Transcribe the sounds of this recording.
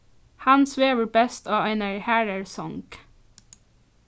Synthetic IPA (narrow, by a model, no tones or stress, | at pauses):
hɑnsʋeːʋəɹbɛst̪ʰɑːʋæɪnəɹhæɹəɹsɔŋɡ̥